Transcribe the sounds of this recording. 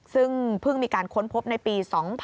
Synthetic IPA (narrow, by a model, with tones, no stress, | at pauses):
sɯ˥˩ŋpʰɯ˥˩ŋmiː˧kaː˧nkʰo˦˥npʰo˦˥p̚na˧jpiː˧sɔː˩˦ŋpʰ